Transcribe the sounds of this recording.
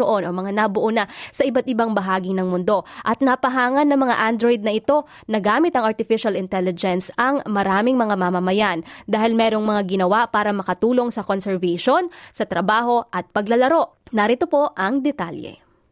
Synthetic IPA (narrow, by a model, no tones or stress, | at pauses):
oʔo̞nʔomɐŋanɐbʊʔonasɐʔɪbat̪̚ɪbaŋbɐɦaːɡɪnɐŋmʊnd̪o̞ʔɐt̪̚nɐpɐɦaːŋɐnːɐŋmɐŋa̰ʔand̪ɾojd̪̚nɐʔɪt̪o̞ | nɐɡaːmɪt̪ɐŋʔɐɹt̪ɪfɪʃɐlɪnt̪ɛlɪd͡ʒɛnsɐŋmɐɾaːmɪŋmɐŋamamɐmɐjand̪aːɦɪlmɛːɾo̞ŋmɐŋaɡɪnɐwapaːɾɐmɐkɐt̪uːlo̞ŋsɐkonsɛɹvɐʃo̞nsɐt̪ɾɐbaːɦo̞ʔɐt̪̚pɐɡlɐlɐɾo̞ʔ | nɐɾɪt̪opo̞ʔɐŋd̪ɛt̪a̰ljɛ̰